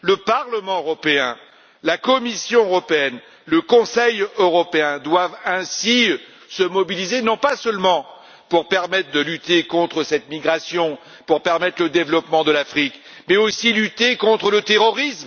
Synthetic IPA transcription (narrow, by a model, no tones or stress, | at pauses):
ləpaʁləmɑ̃øʁɔpeɛ̰̃ | lakɔmisjɔ̃øʁɔpeɛn | ləkɔ̃sɛjøʁɔpeɛ̃d̪wavɛ̃si | səmɔbilizenɔ̃pasœlmɑ̃ | puʁpɛʁmɛt̪χəd̪əlyt̪ekɔ̃t̪χəsɛt̪miɡʁasjɔ̃ | puʁpɛʁmɛt̪χləd̪evlɔpmɑ̃d̪əlafχik | mɛosilyt̪ekɔ̃t̪χələt̪eʁɔʁism